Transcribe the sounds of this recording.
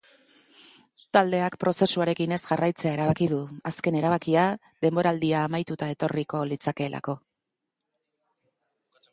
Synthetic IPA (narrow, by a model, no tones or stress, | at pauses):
t̪ald̪e̞akpɾo̞se̞suaɾe̞kine̞sʝarajt͡se̞ae̞ɾaβ̞akiðuaske̞ne̞ɾaβ̞akia | ðe̞mbo̞ɾaːld̪iaːmajt̪ut̪ae̞t̪o̞riko̞lit͡sake̞ːlʔa̰ko̞